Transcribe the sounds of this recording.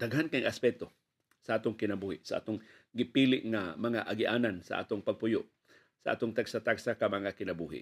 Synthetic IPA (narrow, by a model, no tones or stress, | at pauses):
t̪aɡɦankaŋʔaspɛt̪o | saʔaːt̪oŋkɪnabuːhɪʔsaʔa̰ːt̪oŋ | ɡɪpilɪʔŋamɐŋaʔaɡɪʔaːnansa̰ʔa̰ːt̪oŋpɐɡ̚pʊjoʔ | saʔa̰ːt̪oŋt̪aɡsat̪aɡsakamɐŋakɪnabuːɦɪ̰ʔ